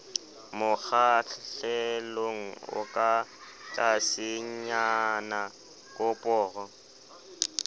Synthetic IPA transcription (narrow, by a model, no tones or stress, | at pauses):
mʊk͡xʰaɬɛloŋ̩ʊ̰kʼa | t͡ɬʼasɪɲana | kʼʊpʼɔːrɔ